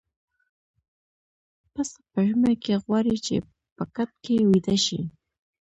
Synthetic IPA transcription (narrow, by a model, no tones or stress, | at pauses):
pasapəʒməkeɣwaɾit͡ʃḛ | pəkat̪̚kewid̪aʃḭ